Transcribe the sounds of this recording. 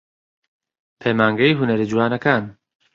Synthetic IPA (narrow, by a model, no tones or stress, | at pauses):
pʰejmaːŋɡɐjɦunɐɾid͡ʒuwaːnɐkaːn